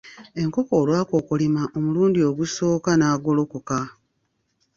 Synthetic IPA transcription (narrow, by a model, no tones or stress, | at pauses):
e̞ŋko̞koːlwaːko̞ːkulimaʔo̞muluːndio̞ɡuso̞ːkanaːɡo̞lo̞koka